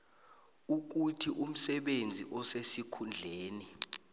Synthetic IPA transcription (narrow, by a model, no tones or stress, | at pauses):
uk̬utʰiʔum̩sɛɓend͡zʱiʔɔsesikʰund͡ɮʱeːni